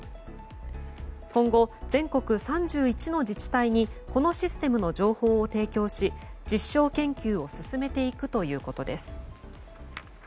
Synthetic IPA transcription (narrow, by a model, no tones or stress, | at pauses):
kõ̞ŋɡo̞d͡zẽ̞ŋko̞kɯ̟sãɲ̟d͡ʑɨːit͡ɕino̞d͡ʑit͡ɕi̥t̪aiɲ̟iko̞no̞ɕisɨ̥t̪e̞mɯ̟no̞d͡ʑo̞ːho̞ːt̪e̞ːkʲo̞ːɕid͡ʑiɕːo̞ːkẽ̞ŋkʲɨːo̞sɨsɨme̞t̪e̞ikɯ̟t̪o̞jɯ̟ːko̞t̪o̞d̪e̞sɨ̥